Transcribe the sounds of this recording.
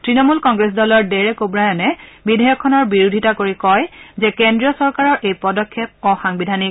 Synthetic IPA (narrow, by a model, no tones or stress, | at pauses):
tɹinɔmulkɔŋɡɹes̬dɔlɔɹdɛɹɛkobɹajɔnɛbidʱɛjɔkʰːɔnɔɹbiɹudʱitakoɹikɔjzɛkendɹiɔsɔɹkaɹɔɹʔejpɔdɔkʰːjep̚ɔxaŋbidʱani